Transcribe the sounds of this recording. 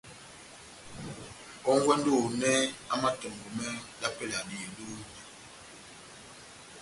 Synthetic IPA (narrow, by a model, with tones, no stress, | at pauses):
ɔ˦ŋ˦ɡwɛ˦n˦do˦˨nɛ˦a˦ma˦tɔ˨ŋ˨ɡɔ˨mɛ˦la˦pɛ˦la˨di˨do˦